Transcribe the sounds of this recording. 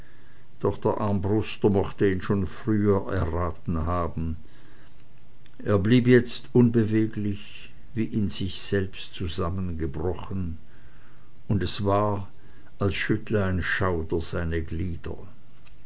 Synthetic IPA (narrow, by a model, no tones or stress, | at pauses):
d̥ɔχd̥eːɐʔaɐmbʁʊstɐmɔxtəiːnʃoːnfʁ̥yːɐʔɛɐʁaːtn̩haːbn̩ | ʔeːɐbliːpjɛt͡stʔʊnbəveːɡlɪç | viːʔɪnzɪçz̥ɛlpstt͡suzamənɡəbʁɔχən | ʊndɛsv̥aːɐ | alsʃʏtləaɪnʃaʊdɐzaɪnəɡliːdɐ̰